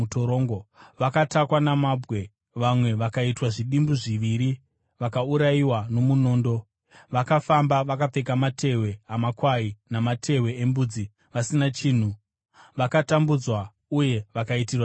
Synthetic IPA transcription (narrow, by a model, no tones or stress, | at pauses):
utoɾoːŋɡoʋakatakwanamabwe̞ | ʋamwe̞ʋakaitwaʐiɗimbuʐiʋiɾi | ʋakauɾaiwano̞muno̞ːndo̞ | ʋakafambaʋakap͡fe̞k̬amatʰe̞we̞amakwainamatʰe̞we̞embud͡zi | ʋasinat͡ʃiːn̤u | ʋakatambud͡zwa | uje̞ʋakaitirwa